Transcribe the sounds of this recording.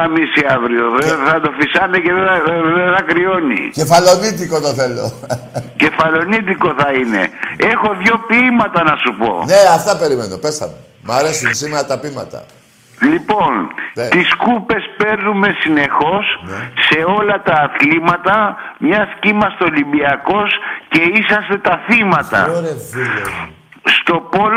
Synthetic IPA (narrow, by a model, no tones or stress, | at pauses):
ɐmisiɐvɾioðeθɐd̪o̞fisɐnece̞ðeðeθɐkɾio̞nḭce̞fɐlo̞nit̪̬iko̞t̪oθe̞lo̰ | ce̞fɐlo̞nit̪iko̞θɐine̞̰e̞xo̞ðʝo̞pimɐt̪ɐnɐsupo̞̰neɐft̪ɐpe̞ɾime̞nopesɐ̰mu | mɐɾe̞sunsimeɾɐt̪ɐpimɐ̰t̪ɐ̰ | lipo̞net̪iskupe̞spe̞ɾnume̞sine̞xo̞snːe̞o̞lɐt̪ɐːθlimɐt̪ɐmɲɐscimɐst̪olimbiɐko̞sce̞isɐst̪e̞t̪ɐθimɐt̪ɐ̰ɾe | st̪o̞pol